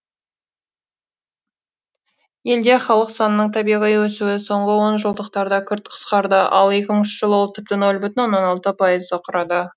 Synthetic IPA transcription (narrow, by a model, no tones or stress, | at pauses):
je̞ld̪e̞χɑlˠəqsɑnənəɴt̪ʰɑbijʁijwɵsuwɪso̞ɴʁəwo̞nʒəlˠd̪əq̚t̪ɑɾd̪ɑkʲʰʏɾt̪̚qʰə̥sqɑɾd̪əʔɑ̰lˠe̞kʲɪməɴʏʃʒ̥əlˠəwolˠt̪ʰɪp̚t̪ɪno̞lˠbʏt̪ɪnwo̞nːɑnɑlˠt̪əpʰɑjəzd̪əqʰʊɾɑd̪ə